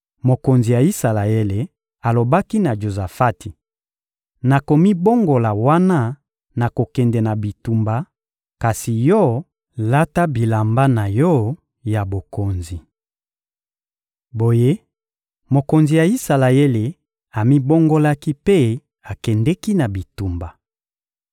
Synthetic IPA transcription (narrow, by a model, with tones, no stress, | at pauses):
mo˨ko˨nzi˨ja˨i˦sa˨la˨ɛ˦le˨ | a˨lo˨ba˦ki˦na˨d͡ʒo˨za˨fa˦ti˨ | na˨ko˨mi˦bo˦ŋɡo˨la˨wa˦na˦ | na˨ko˨kɛ˨ndɛ˨na˨bi˨tu˨mba˦ | ka˨si˨jɔ˦ | la˦ta˦bi˨la˨mba˦na˨jɔ˦ | ja˨bo˨ko˨nzi˨ | bo˨je˦ | mo˨ko˨nzi˨ja˨i˦sa˨la˨e˦le˨ | a˨mi˦bo˦ŋɡo˦la˦ki˦pe˦ | a˨kɛ˨ndɛ˦ki˦na˨bi˨tu˨mba˨